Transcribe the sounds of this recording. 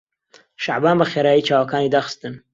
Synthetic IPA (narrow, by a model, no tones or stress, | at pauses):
ʃaʕbaːnbɐxeːɾaːjiːt͡ʃaːwɐkaːniːd̪aːxɨ̥st̪ɨn